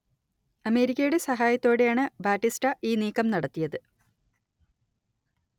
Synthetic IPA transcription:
ɐme̞ːɾikʲːɐjuɽe̞sɐɦaːjɐt̪ːo̞ːɽe̞jaːɳɨbaːtːistɐʔiːniːkːɐmnɐɽɐt̪ːijɐðɨ

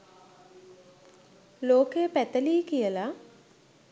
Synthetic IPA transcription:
loːkejəpæt̪əliːkijəla

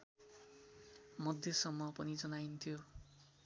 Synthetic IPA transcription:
mʌd̪ʱjʌsʌmːʌpʌnid͡zʌnajint̪ʰijo

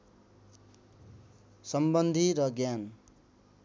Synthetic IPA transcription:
sʌmbʌnd̪ʱiɾʌɡjan

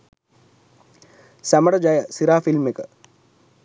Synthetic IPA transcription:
sæməɽəd͡ʒajəsiɾaːfilmekə

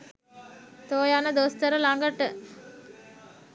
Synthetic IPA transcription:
t̪oːjanəd̪ost̪əɾəlaŋɡəʈə

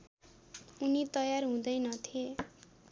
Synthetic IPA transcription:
unit̪ʌjarɦũd̪ʌjnʌt̪ʰie

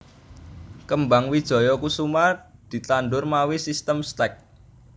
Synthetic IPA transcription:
kəmbaŋwid̥ʒ̥ɔ̤jɔkusumad̪̥i̤t̪anɖʊrmawisist̪əmst̪ɛk̚

